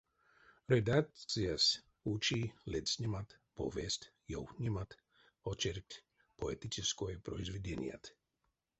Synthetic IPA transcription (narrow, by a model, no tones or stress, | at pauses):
ɾed̪ak̚t͡ssijas | ut͡ʃilɛt̪snʲimat̪po̰ʋest̪ʲ | jo̰wxnʲimat̪ | ot͡ʃeɾt̪ʲ | poet̪it͡ʃiskojpɾoizʋed̪enʲj̰a̰t̪